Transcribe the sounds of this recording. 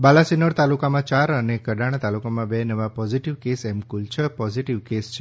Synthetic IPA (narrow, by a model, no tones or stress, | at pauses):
balasinəɽt̪alukamãt͡ʃaɾənekəɖaɽ̃t̪alukamãbɛnəʋapɔziʈiʋkesɛmkult͡ʃʰəpɔziʈiʋkest͡ʃʰe